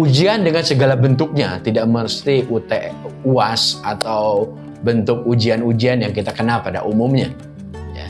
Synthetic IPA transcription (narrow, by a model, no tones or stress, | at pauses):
ud͡ʒiandəŋansəɡalabənt̪ʊk̚ɲat̪idaʔməɾust̪iʔut̪ɛʔuasat̪aw | bənt̪ʊk̚ud͡ʒianud͡ʒianjaŋkit̪akənapada̰ʔumʊmɲa̰ | ja̰